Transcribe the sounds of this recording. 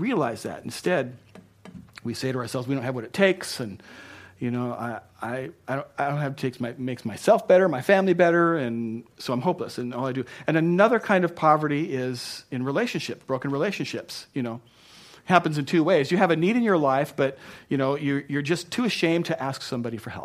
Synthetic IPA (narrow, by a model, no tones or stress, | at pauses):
ɹiɨlaɪzðæ̰ɾn̩stɛd̚ | wiseɪɾəə˞sɛlˠvzwidõʊ̃nhɨvwʌɾɨtʰeɪksɨ̃njɨnoʊʔa̰ɪ | a̰ɪaɪɾõʊ̃naɪdõʊ̃n̚hæftɨtʰeɪksmaɪmeɪksmaɪsɛlˠfb̥ɛɾə˞maɪfæ̃mlibɛɾə˞ɨ̃nsoʊãɪ̃mɦoʊpləsɨ̃nɔlˠaɪdɨɨ̃nɨnʌðə˞kʰãɪ̃ndʌv̥pʰɑvə˞ɾiɪz̥ɨ̃nɹileɪʃɨ̃nʃɪpb̥ɹoʊkɨ̃n̩ɹileɪʃɨ̃n̩ʃɪpsjɨñoʊ | hæpɨ̃n̩zɨ̃n̩tʰʉweɪzjɨɨvɨniɾɨ̃njə˞laɪfb̥ʌt̚jɨñoʊjə˞jə˞d͡ʒʌstʰʉɨʃẽɪ̃mtʰɨʔæsksʌ̃mbɑɾifə˞hɛ̰lˠp̚